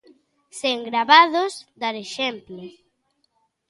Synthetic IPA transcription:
seŋɡɾaβaðosd̪aɾeʃɛmplʊ

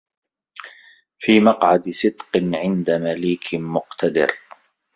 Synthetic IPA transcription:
fiːmɑqʕad̪sɨd̪qɨnʕɪnd̪amaliːkʰmʊqt̪ʰad̪ɪ̰ɾ

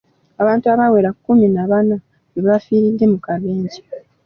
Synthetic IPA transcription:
aβaːntuaβawe̞ɾakːuminaβana | βeβafiːɾidːe̞mukaβeːɲɟi

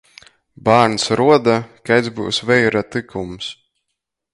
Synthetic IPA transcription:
baːɾnsɾuɔd̪akajd̪zbṵwsvɛjɾat̪ɨkums

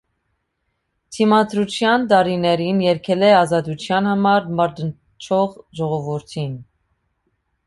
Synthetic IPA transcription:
t̪ʰimɑd̪ɾut͡sʰjɑnt̪ɑɾinɛɾinjɛɾkʰɛlɛɑzɑt̪ut͡sʰjɑnhɑmɑɾmɑɾd̪ən | t͡ʃʰɔʁʒɔʁɔvuɾt̪ʰin

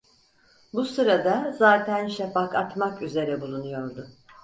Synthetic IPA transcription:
busɯɾad̪azaːt̪ʰænʃafakat̪makyze̞ɾɛbulˠunujo̞ɾd̪ʊ

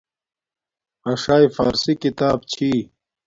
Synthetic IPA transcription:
ɐʂaːjfa̰ːɾsikit̪aːbt͡ɕʰiː

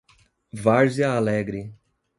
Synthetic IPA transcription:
vaɾziɐːlɛɡɾɪ

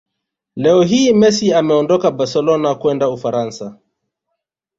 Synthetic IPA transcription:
lɛɔɦiːmɛsiamɛɔndɔkabaɾsɛlɔnakwɛndaufaɾansa

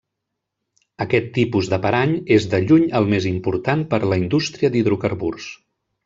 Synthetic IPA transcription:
əkɛt̪ːipuzðəpəɾaɲezðəʎuɲəlˠmezimpuɾt̪anpəɾləind̪ust̪ɾiəd̪iðɾukəɾβurs

